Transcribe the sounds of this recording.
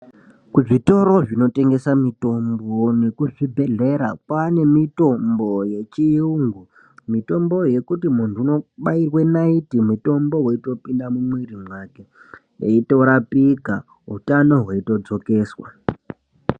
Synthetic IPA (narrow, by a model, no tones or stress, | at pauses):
kuʐito̞ɾo̞ʐino̞te̞ŋɡe̞samito̞mbone̞kuʐibʱe̞ɮe̞ɾakwane̞mito̞mbo̞je̞t͡ʃiuŋɡu | mito̞mbo̞je̞kutimuntʰuuno̞ɓairwenaitimwuto̞mbo̞ɦweito̞pindamumwirimwake̞ | ḛito̞ɾapiɡʱa | ɦutano̞ɦwaito̞d͡zo̞ke̞ːswa̰